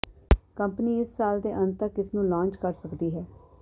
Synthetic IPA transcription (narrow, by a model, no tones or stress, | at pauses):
kəmpniːɪsːaːld̪eːʔə̃nt̪əkɪsnũːlãːɲt͡ʃkəɾsəkd̪iːɦɛː